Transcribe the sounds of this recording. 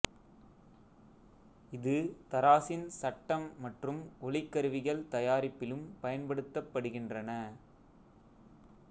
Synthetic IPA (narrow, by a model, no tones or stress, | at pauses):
ɪðɯt̪ɐɾaːsɪnsɐʈːɐmːɐʈrɯmɔlɪkːɐɾɯʋɪɣɐɭt̪ɐjaːɾɪpːɪlɯmpɐjɐnpɐɽɯt̪ːɐpːɐɽɯɣɪndrɐnɐ